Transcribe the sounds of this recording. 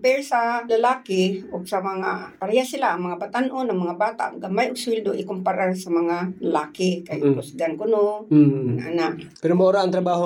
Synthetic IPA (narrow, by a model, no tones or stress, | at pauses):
pɛɾsalalaːkɪʊɡsamaŋapaɾajasɪlaʔːŋmɐŋabat̪anʔonaŋmɐŋabaːt̪a̰ʔɡambajʔʊɡ̚sʊwɪld̪oʔɪkʊmpaɾasamaŋalalaːkɪkajpʊsɡankʊnonaʔa̰naʔpɛɾomaoɾaaŋt̪ɾabaːɦo